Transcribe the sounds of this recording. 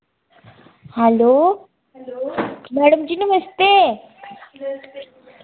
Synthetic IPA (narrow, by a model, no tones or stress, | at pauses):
hɛlo | mæɽəmt͡ɕiːnuməst̪e